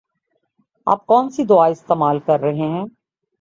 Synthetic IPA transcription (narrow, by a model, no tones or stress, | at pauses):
a̰ːp̚kɔːnsid̪ʊaɪst̪eːmaːlkɐɾːɐɦeɦɛ̃ː